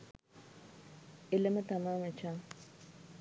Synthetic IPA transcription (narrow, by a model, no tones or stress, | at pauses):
eləmət̪amaːmət͡ʃaː